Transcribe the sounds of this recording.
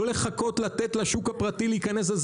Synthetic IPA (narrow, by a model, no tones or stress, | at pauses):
ole̞χako̞t̪lat̪et̪laʃukhapʁat̪iliikanes̬laz